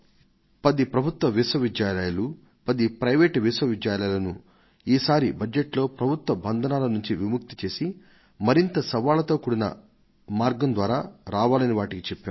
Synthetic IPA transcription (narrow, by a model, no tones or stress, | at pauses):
pɐd̪ipɾɐbʱut̪ʋɐʋisʋɐʋid̪jaːlɐjɐlu | pɐd̪ipɾɐjʋeːʈʋisʋɐʋid̪jaːlɐjlɐnu | iːsaːɾibɐd͡ʒeʈlo̞ːpɾɐbʱut̪ʋɐbɐnd̪ʱɐnaːlɐnuɲt͡ʃiʋimuk̚t̪i̥t͡ʃe̞ːsi | mɐɾint̪ɐsɐʋaːlɐt̪oːkuːɽinɐ̰ | maːɾɡɐmnd̪ʋaːɾaːɾaːʋaːlɐniʋaːʈikit͡ʃɛpːaːɾ